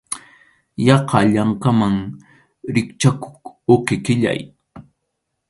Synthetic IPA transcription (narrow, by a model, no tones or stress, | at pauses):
jɑqɑʎaŋkamaŋ | ɾɪkt͡ʃakʊ̥kokɪkɪʎa̰j